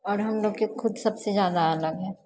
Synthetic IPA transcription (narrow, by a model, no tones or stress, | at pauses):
ɔːɾɦɐmloːɡkexʰʊd̪sɐbsezjaːd̪aələɡɦɛ̃ː